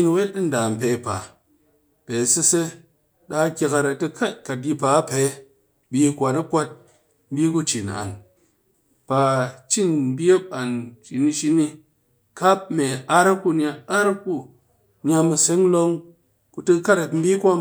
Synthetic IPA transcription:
n˧we˦t̚ːɨ˦n̩˨da˨m̩˨pe˨˦pa̰˨ | pe˨si˧se˦ | ɗa˧˦kʲe˧ka˧ɾa˧tɨ˧kʰa˦t̚ka˨t̚ji˧pa˨˦pe˨˦ | bi˧˦kʷa˨na˦kʷa˦t̚ | m̩˦bi˦ku˦t͡ʃi˨na̰˨n | pa˨t͡ʃi˦n˦bi˦a˦pa˨nt͡ʃi˨ni˧ʃi˧ni˧ | ka˦p̚me˨a˦ɾa˦ku˦nʲa˧a˦ɾku˦ | nʲ˦a˧mɨ˧se˦ŋ˦lo˦ŋ | ku˧tɨ˧ka˦ɾa˨tm̩˦bi˦kʷa˦

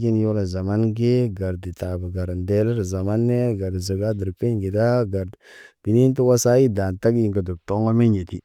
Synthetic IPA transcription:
ɡi˦n˦jo˦la˨za˨ma˦nɡe˦ɡa˨ɾdi˨ta˨ba˨ɡa˨ɾnde˦li˦ɾza˨ma˦nːe˦ɡa˨ɾdi˨zə˨ɡa˦di˨ɾpi˦nɡi˨da˦ɡa˨ɾb̥i˨ni˦n˦tu˦wa˦sa˦ji˦da˨nta˦ɡi˦ŋɡa˨du˨b̚to˦ŋɡo˦me˦ɲje˨ti˦

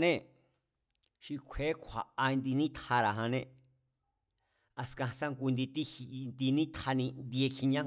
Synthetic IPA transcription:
nẽ˦ | ʃi˧kʷʰe˨˦kʷʰa̰˨a˧nd̪i˧nĩ˦t̪ʰa˧ɾa˨ɦã˧nẽ˧ | a˧skã˧sã˦ŋɡu˧nd̪i˧t̪i˦hi˧nd̪i˧nĩ˦t̪ʰa˧nĩ˧nd̪i˧e˧kʰi˧ɲã˦

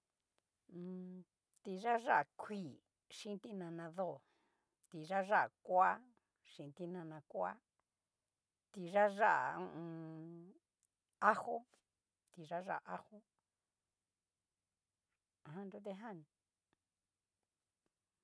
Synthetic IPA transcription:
t̪i˧ʐa˦ʐa˦˧˨kʰʷi˦˨ | ʂĩ˦nt̪i˦nã˧nã˧ðo˦˨ | t̪i˧ʐa˦ʐa˦˨kʷa˦ | ʂĩ˧˨˧t̪i˦nã˧nã˧kʷa̰˦ | t̪i˧ʐa˦ʐa˦ʔã̰˨˧ | a˦ho˦ | t̪i˧ʐa˦ʐa̰˦˨ʔa˦ho˦˨ | ɦã˧nd̪u˦t̪̬e˧ɦã˦˨ñ˨

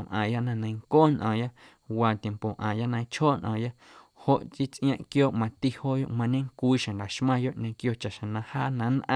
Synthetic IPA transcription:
mʔã̰ː˨ja˦ʔnã˧nã˧j̃ŋkoː˦nʔɔ̰̃ː˨ja˦ | waː˧t̪je˧mpo˨ʔãː˨ja˦nã˧˦t͡ʃhoː˦ʔnʔɔ̃˨ja˦ | ho˧ʔt͡ʃi˦t͡sʔj̃ã˧ʔkjoː˦ʔmã˧t̪i˦hoː˦jo̰˦ʔmã˧ɲẽ˦ŋkʷiː˦ʃã˨nla˨ʃmã˧jo˦˨ʔɲẽ˧kjo˧˨t͡ʃa˨ʔʃã˨nã˧haː˦nã˧˦nʔã̰˧

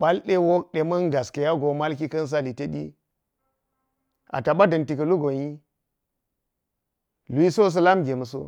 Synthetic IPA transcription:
ɓa˦lɗe˦wo˦k̚ɗe˨mɐ˦nɡa˨ske˨ja˦ɡo˨ma˦lk̬i˦kɐ˦ns̬a˦li˨te˦ɗḭ˦ | a̰˨ta˨ɓa˦dɐ˨nti˨kɐ˨lu˦ɡo˨ɲ˦i˦ | lu˨i˦so˦s̬ɐ˦la˦mɡʲe˨mɐ˨s̬o̰˦

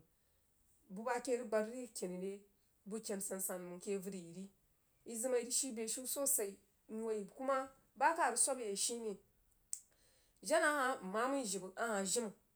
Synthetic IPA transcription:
bu˦ba˦ke˦ɾi˦ɡ͡ba˨ɾi˦˨kʲe˨ni˨de˦ | bu˦kʲe˨n˨sa˨nsa˨n˨mu˨ke˦vu˦di˨ji˨ɾi˦ | i˦zi˦ma˨i˨ɾi˦ʃi˦be˨ʃu˦so˦sa˨i˨ | ɲu˦wa˨i˨ku˦ma˦ | ba˦ka˨ɾi˨sʷa˦bje˨ʃi˦ni˨ | ʒa˦na˦ha˦˨ma˦mu˦˨ʒi˨bu˨a˦ha˨ʒi˦mu˨

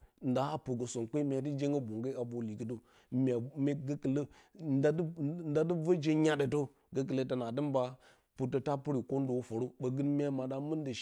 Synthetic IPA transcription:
n˨da˨˦a˦pu˨ɡə˨so˨nk͡pe˦mʲ˦a˨ti˦d͡ʒe˦ŋɡə˦bo˨ŋɡa˦a˨bo˨li˨ki˦to˦ | mʲ˨a˨me˦ɡə˦kə˨lə˦nda˦dn˦da˦də˦və˦d͡ʒe˦ɲa˦də˨to˦ | ɡə˦k̬ə˨lə˦ta˨na˨də˦mba˦ | pu˨tə˦ta˦pu˦ɾi˨ko˦n˦do˨wfo˨ɾo˦ɓə˨ɡɨ˦nmʲ˦a˦ma˨da˦mə˦n˦da˨

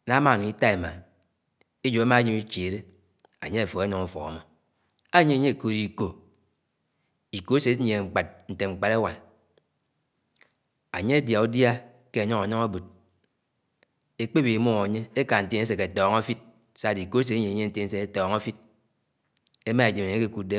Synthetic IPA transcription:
na˨˦ma˦˨ni˨i˦ta˦e˨ma˨ | e˦d͡ʒo˨a˦ma˦ɲi˦mi˦t͡ʃe˨ɾe˦ | a̰˨ɲe˦a˨fo˨e˦ɔ˨ŋu˨fɔ̰˨ɣa̰˨mɔ˦ | a˦ɲe˦a˨˦ɲe˦˨ko˨ɾi˨ko˨ | i˨ko˦se˨˦ɲ˦e˨ŋ͡m̩˨k͡pa˨t̚n̩˨te˨ŋ͡m̩˨k͡pa˨ɾe˦wa˨n | a˨ɲe˦e˦dja˨u˦dja˦ | ke˦a˨ɲɔ˦a˨nɔ˦ŋa˦bu˨t̚ | e˦k͡pe˦bi˨i˨mo˦o˨a˨ɲe˦e˦ka˨n̩˨te˦ne˦s̬e˨ke˨tɔː˨ŋa˦fi˦t̚ | sa˦˨di˨ko˦e˦s̬e˨tɲe˨ɲe˦n̩˦te˦n̩˦se˦e˦tɔː˨ŋa˦fi˦t̚ | e˦ma˦e˨d͡ʒi˨me˨ɲe˦ke˦ku˨de˦

